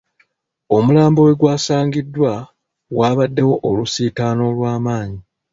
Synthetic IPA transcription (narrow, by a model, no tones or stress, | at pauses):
o̞mulaːmbo̞we̞ɡwaːsaːɲɡidːwa | waːβadːe̞wo̞ʔolusiːtaːno̞ːlwaːmaːɲi